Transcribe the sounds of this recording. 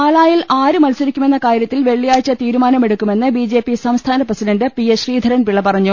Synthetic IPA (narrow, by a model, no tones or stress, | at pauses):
aːlaːjilʔaːɾɨmɐlsɐɾikʲːume̞nːɐkaːɾjɐt̪ːilʋe̞ɭːijaːjt͡ɕːɐt̪iːɾumaːnɐme̞ɽukʲːume̞nːɨbid͡ʑe̞ːpisɐmst̪ʰaːnɐprɐsidɐndɨpieɕriːd̪ʱɐɾɐnpiɭːɐpɐrɐɲːu